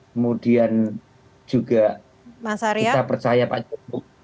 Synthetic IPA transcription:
kəmudian | d͡ʒ̥uɡa | asait̪apərt͡ʃajapa̰d͡ʒɔbʊk̚

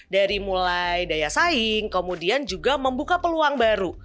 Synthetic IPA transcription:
daɾimulajdajasaɪŋkəmudiand͡ʒuɡaməmbukapəluaŋbaɾu

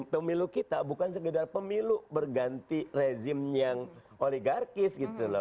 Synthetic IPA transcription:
pəmilukit̪abukansəɡədarpəmilubərɡant̪ired͡ʒɪmjaŋ | oliɡarkɪsɡit̪ulɔ̰

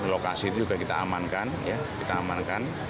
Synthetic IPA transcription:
lokasit̪ud͡ʒuɡakit̪a̰amankanja | kit̪aːmankan

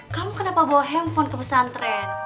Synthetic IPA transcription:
kamukənapabɔɦɛmfɔnkəpəsant̪ɾɛt̪

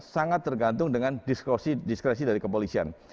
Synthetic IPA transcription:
saŋat̪ːərɡant̪ʊŋdəŋandiskosidiskɾes̬idaɾikəpolisia̰n

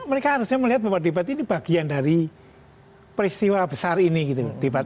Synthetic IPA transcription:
məɾekaɦaɾʊsɲaməliɦat̪̚bawad̪ebat̪inib̥aɡ̥iandaɾi | pəɾist̪iwabəsariniɡit̪ud̥ebat̪̚

